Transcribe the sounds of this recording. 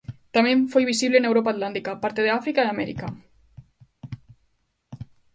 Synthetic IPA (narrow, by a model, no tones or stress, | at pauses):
t̪amẽɱfojβisiβlenewɾop̬aːt̪lant̪ikapaɾt̪eðeafɾikaiamɛɾḭka